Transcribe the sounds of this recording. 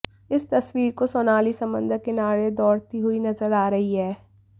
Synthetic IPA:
ɪst̪ɐswiːɾkosɔːnaːlisɐ̃mbə̰̃nd̪ʱəɾkɪnaːɾed̪ɔːɽt̪iɦʊinɐzəɾaːɾɐɦiɦɛː

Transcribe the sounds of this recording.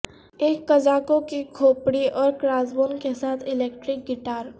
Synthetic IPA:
eːkːɐd͡ʒaːkokikʰoːpɽiɔːɾkɾaːzboːnkesaːt̪ʰɪleːkʈɾɪk̚ɡɪʈaːɾ

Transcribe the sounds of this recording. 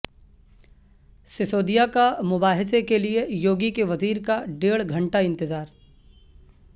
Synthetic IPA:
sɪsoːd̪ijakamʊbaːɦɪsekeliejoːɡikeʋɐziːɾkaɖeːɭɡʱɐ̃ɳʈaɪ̃nt̪ɪzaːɾ

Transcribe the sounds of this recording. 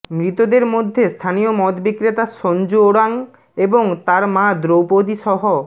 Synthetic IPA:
mɾit̪od̪eɾmod̪ʱːest̪ʰanijomɔd̪bikɾet̪aʃɔnd͡ʑooɽaŋ | eboŋt̪aɾmãd̪ɾowpod̪iʃɔɦo

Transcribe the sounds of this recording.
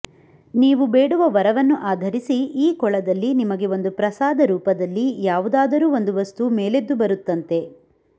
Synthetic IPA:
niːʋube̞ːɽuʋɐʋɐɾɐʋɐnːuʔaːd̪ʱɐɾisiiːkɔɭɐd̪ɐlːinimɐɡe̞o̞nd̪upɾɐsaːd̪ɐɾuːpɐd̪ɐlːijaːʋud̪aːd̪ɐɾuːo̞nd̪uʋɐst̪umeːled̪ːubɐɾut̪ːɐnt̪e̞

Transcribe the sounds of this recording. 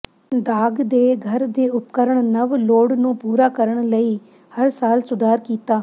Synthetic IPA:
d̪aːɡd̪eːɡʱəɾd̪eːʊp̚kəɾəɳnəʋloːɽnũːpuːɾaːkəɾəɳ̃ləiː | həɾsaːlsʊd̪ʱaːɾkiːt̪aː

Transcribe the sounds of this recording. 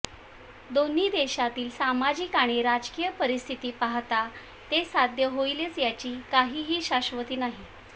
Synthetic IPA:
d̪oniːd̪eɕat̪iːlsamad͡ʑikaɽ̃eɾad͡zkijəpəɾist̪ʰit̪iːpaɦt̪a | t̪esad̪ʱjəɦoilet͡sjat͡ɕiːkaɦiːɦiːɕaɕʋət̪iːnaɦi

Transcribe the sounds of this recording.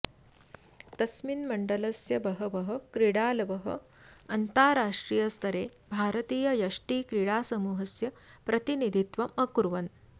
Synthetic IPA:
t̪ɐsminmɐɳɖɐlɐsjɐbɐɦɐʋɐɦɐ̆kɾiɽaːlɐʋɐɦɐ̰ | ɐnt̪aːɾaːʂʈɾiːjɐst̪ʰɐɾeː | bʱaːɾɐt̪iːjɐjɐʂʈiːkɾiɽaːsɐmuːɦɐsjɐ | pɾɐt̪inid̪ʱit̪ʋɐmɐkuɾʋɐn

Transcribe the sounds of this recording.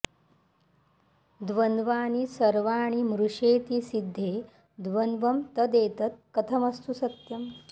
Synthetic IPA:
d̪ʋɐnd̪ʋaːɳisɐɾʋaːɽ̃imɾuʂeːt̪isid̪ʱːeː | d̪ʋɐnʋɐmt̪ɐd̪eːt̪ɐt̪̚kɐt̪ʰɐmɐst̪usɐt̪jɐm

